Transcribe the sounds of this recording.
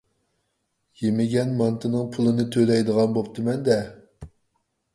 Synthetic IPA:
jemɪɡʲɛnmɑnt̪ʰɨnɨŋpʰulˠɨnɨt̪ʰølɛjd̪əʁɑnbop̚t̪ʰɨmɛnd̪ɛ

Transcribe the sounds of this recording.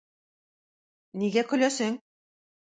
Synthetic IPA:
niɡækɵ̆jlæsɘŋ

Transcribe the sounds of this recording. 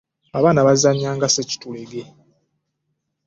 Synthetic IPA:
aβaːnaβaziaɲaːŋɡaseci̥tuleɡe̞

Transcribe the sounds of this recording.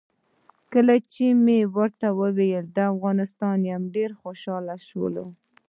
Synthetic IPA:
kəlat͡ʃemewəɾt̪awəwejəld̪əafɣɑnɪst̪ɑnjamɖeɾxoʃɑlaʃwə̰lo̰

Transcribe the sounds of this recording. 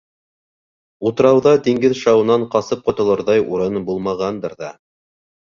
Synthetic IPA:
ut̪ɤ̆ɾɑwðɑt̪iŋɡɘðʃɑwɤ̆nɑɴqɑsɤp̚qŏt̪ɤ̆lˠɤ̆ɾðɑjuɾɤnbulˠmɑʁɑnd̪ɤɾðɑ

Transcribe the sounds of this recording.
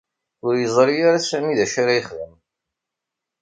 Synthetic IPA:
ʊɾjəzˤɾˤijaɾasæmiðæʃaɾajəχðəm

